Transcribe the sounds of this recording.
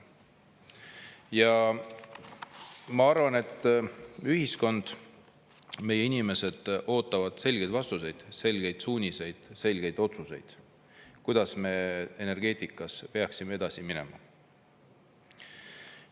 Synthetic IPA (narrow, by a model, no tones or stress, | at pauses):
jɑ | mɑɑrvɑne̞t̪ˑː | yhisko̞nd̪̥ | me̞je̞inime̞se̞d̪̥ʔo̞ːt̪ːˑɑvɑd̪̥se̞lʲɡejd̪vɑst̪use̞jd̪̥se̞lɡ̥e̞jd̪̥suːnʲise̞jd̪̥se̞lɡ̥e̞jd̪o̞t̪suse̞̰jd̪̥ | kujd̪̥ɑsme̞ene̞rɡ̥e̞ːt̪ˑikːˑɑspe̞ɑksimee̞d̪̥ɑsimine̞̰mɑ̰